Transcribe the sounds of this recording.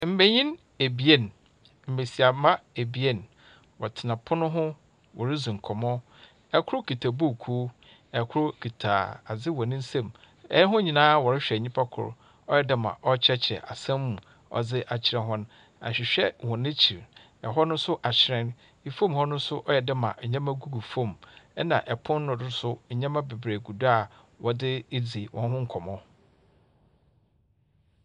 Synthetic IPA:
m̩˨me˨ɲĩ˦n | e˨bi˨e˦˨n˨ | m̩˨be˨si˨a˨mã˦e˨bi˨e˦˨n | wɔ˨tʰɪ˨nã˨pʰʊ˦nʊ̃˦ɦʊ̃˦ | wɔ˨ɾɪ˦zũ˨ŋ̩˨kʰɔ˨mɔ̃˦ | ɛ˦kʰʊ˦ɾʊ˦kʰi˨tʰa˨bu˦˨kʰu˦ | ɛ˨kʰʊ˦ɾʊ˦kʰi˨tʰa̰ː˨a̰˨d͡zɪ˦wɔ˨nɪ̃˦n̩˦sẽ˦˨m | ɛ̰˦ɦʊ̃˦ɲĩ˨nãː˦wɔ˨ɾɪ˦ɕᶣɛ˨ɲĩ˦pʰa˦kʰʊ̰˨ɾ | ɔ˦jɛ˦da˦mã̰˨ʔɔ˦t͡ɕʰɾɛ˦t͡ɕʰɛ̰˨ʔa̰˨sã˦mː˦ũ˨ | ɔ̰˨d͡zɪ˦ʔa˨t͡ɕʰɪ˨ɾɛ̃˨ɦɔ̃˦nʊ̃˦ | a̰˨ɕᶣɪ˨ɕᶣɛ˦wɔ̃˨nɪ̃˦t͡ɕʰi˨ɾ | ɛ˨ɦɔ˦nʊ̃˦sʊ˦ʔa˨t͡ɕʰɪ˨ɾɛ̃˦n | i˨fõ˦mhɔ˦nʊ̃˦sʊ˦ʔɔ˦jɛ˨dɪ˦mã̰˨ɲã˦mã˦ɡu˦ɡu˨fõ˦˨mɛ˦nã̰˨ʔɛ˨pʰʊ̃˦nːʊ̃˨dʊ˦sʊ˦˨ɲã˦mã˦be˨bɾeː˨ɡu˨da˦˨ | wɔ˨dɪ˦e˦d͡zi˨e˨wʔɔ̃˨n˦ɦʊ̃˦ŋ̩˦kʰɔ˨mɔ̃˦

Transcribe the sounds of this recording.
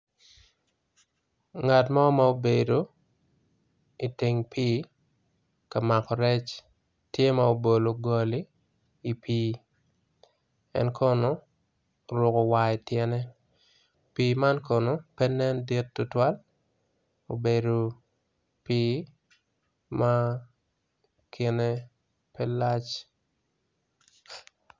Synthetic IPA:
ŋa˨tmɔ˦mao˦be˨do˨ | i˨ti˨ŋpʰiː˦ | ka˨ma˨kɔ˨ɾɛ˦t͡ʃ | tje˦ma˦o˨bo˨lo˨ɡɔ˨li˦ | i˨pʰiː˦ | ɛ̰˦nkʰo˦no˦ | ɾʊ˨kɔ˨wai˨tjɛ˦nɛ˦ | piːma˦nkɔ˨no˨pɛ˦nɛ˦ndi˦tːʊ˦twa˦l | o˨be˨do˨ | piː˦ | ma˦ | kʰɪ˨ne˦ | pɛ˦la˦t͡ʃ

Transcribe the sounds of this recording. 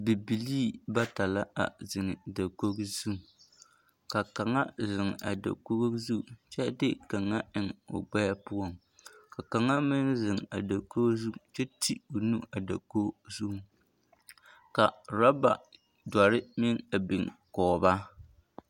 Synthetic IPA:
bi˨bi˨liː˦ba˦ta˨la˦ʔa̰˨zɪ˨ŋɪ˨da˨ko˦ɡzu˦˨ | ka˨ka˨ŋa˦zɪ˨ŋ̰˨a˨da̰˨ko˦ɡzu˦˨t͡ʃɛ˦dɪ˦ka˨ŋːa˦ɪ˨ŋo̰˨ɡ͡bɛ˦ja˦pʊ˦ɔ˦ŋ | ka˨ka˨ŋa˦mɪ˦n˦zɪ˨ŋ˨a˨da˨ko˦zu˦˨t͡ʃɛ˦tʰi˦o˨nu˦a˨da̰˨ko˦zu˦ | ka˨ɾa˦ba̰˨ | da˨ɾɪ˦mɪ˦ŋa˨bɪ˨ŋkɔː˨ba˦

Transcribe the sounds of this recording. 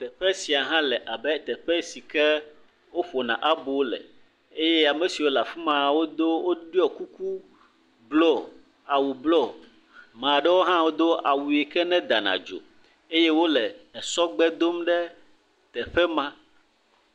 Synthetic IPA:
t̪ɛ˨ɸɛ˦si˨a˨ɦã˦lɛ˨ʔa˨bɛ˦t̪ɛ˨ɸɛ˦si˨kɛ˦ | wo˦ɸo˨nã̰˨ʔa˦bo˨wlɛ̰˨ | e˦jɛ˦a˨mɛ̃˨si˨wo˦la˨fi˦mã˨wo˦d̪o˦wo˦ɖi˦ɔ˨ku˦ku˦ | blɔ˦˨ | a˨wu˨blɔ˦ | mã˨ɖɛ˦wo˦ɦã˦wo˦d̪o˦a˨wu˨e˨kɛ˦nɛ̃˦d̪a˨nã̰˨d͡ʒo̰˨ | e˦jɛ˦wo˦lɛ˨ɛ˨sɔ˦ɡ͡bɛ˦d̪o˦mɖɛ˦ | t̪ɛ˨ɸɛ˦mã˦

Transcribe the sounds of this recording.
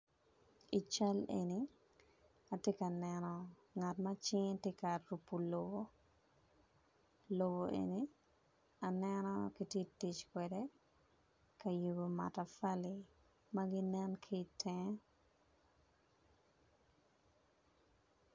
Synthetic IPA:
i˨t͡ʃa˦lḛni˦ | a˨tjɛ˦ka˨nɛnɔ | ŋa˨tma˦t͡ʃɪ˦ŋte˦ka˨ɾupːu˨lobo | lo˨bo˨ʔḛni˦ | a˨nɛnɔ˦ki˦tje˦ti˨t͡ʃkwɛde | kɐ˨ju˨bo˨ma̰˨ta˨fa˦li | ma˦ɡɪ˦nɛ˦nkʰi˦tʰɛ

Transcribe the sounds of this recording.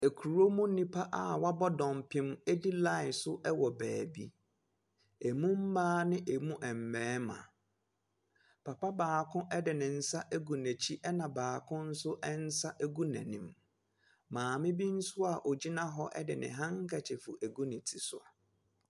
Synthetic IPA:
æ˨kʰu˨ɾo˦mũ˦nĩ˦pʰa˦ʔa˨wa˦bɔ˦dɔ̃˨m˨pʰɪ̃˦mɛ˦di˦la˦ɪ˨sʊ˦ʔɛ˦wɔ˨bæː˨bḭ˦ | e˨mũ˦m̩˦maː˦nɪ̃˦ʔe˨mũ˦ʔɛ˨m̩˨mɛ̃ː˨˦mã̰˨ | pʰa˨pa˦baː˨kʰʊ̃˦ʔɛ˦dɪ˨nɪ̃˨n̩˦sa˦ʔæ˦ɡu˨næ̃˨t͡ɕʰi˦ʔɛ˦nã˨baː˨kʰʊ̃˦n̩˦sʊ˦ʔɛ˦n̩˦sa˦ʔæ˦ɡu˦næ̰̃˨nḭ̃˨m | mãː˨mɪ̃˦bi˦n̩˦sʊ˦a˨ʔo˨d͡ʑi˦nã˦ɦɔ˦ʔɛ̰˦dɪ̰˨nɪ̰̃˨ɦã˦ŋ˦kʰɛ˨t͡ɕʰɪ˨fʊ̰˨ʔæ˨ɡu˦nɪ̃˨tʰi˨sʊ˦a̰˨

